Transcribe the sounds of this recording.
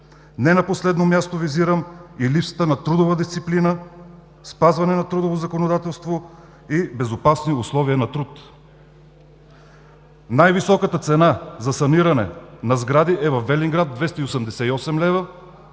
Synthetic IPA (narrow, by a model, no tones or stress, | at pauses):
nɛnɐposlɛd̪nomʲjast̪oviziɾəmilipsə̥t̪ənɐt̪ɾud̪ovəd̪ist̪siplinə | spazvɐnɛnɐt̪ɾud̪ovozɐkonod̪at̪ɛlˠst̪vo | ibɛzopasniʊslˠɔviənɐt̪ɾut̪ | najvisɔkət̪ət̪sɛnazɐsɐniɾɐnɛ̰nɐzɡɾad̪iʔɛvɐfbɛliŋɡɾad̪̚d̪vɛst̪əiosəmd̪ɛsɛiɔsɛmlɛvə